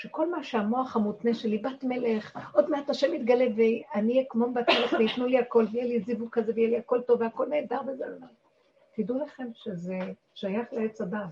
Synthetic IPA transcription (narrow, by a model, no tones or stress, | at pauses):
ʃeko̞lmaʃeamo̞aχamut̪neʃe̞libatmeleχʔo̞dmeataʃemit̪ɡaleveanijekmombat̪meleχveit̪nuliako̞lvejelizivuɡ̚kazevejeliako̞lto̞veako̞lneːdaʁbezena | t̪idulaχe̞mʃeze | ʃajaχleet͡sabav